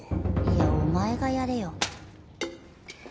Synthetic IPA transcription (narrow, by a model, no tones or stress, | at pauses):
iaomaeɡajaɾejo